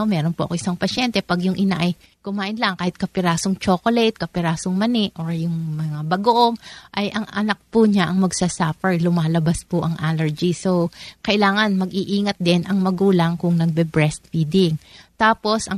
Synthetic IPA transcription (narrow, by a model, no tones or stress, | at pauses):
mɛːɾo̞npoʔɐkoʔɪ̥saŋpɐʃɛnt̪ɛpɐɡjʊŋʔɪnaʔɐj | kʊmaːʔɪnlɐŋkaːhɪt̪̚kɐpɪɾaːsoŋt͡ʃoːkolɛjt̪̚kɐpɪɾaːsoŋmɐnɪʔʔoɹjʊŋmɐŋabɐɡoʔoŋʔɐjʔɐŋʔɐnɐk̚pʊɲaʔɐŋmɐɡsasapɛɹlʊmaːlɐbaspʊʔɐŋʔaːlɛɹd͡ʒisokɐʔɪlaːŋɐnmɐɡʔiʔiːŋɐt̪̚d̪ɛnʔɐŋmɐɡuːlɐŋkʊŋnɐɡ̚bɛbɹɛst̪̚fiːd̪ɪŋt̪aːpo̞sʔɐ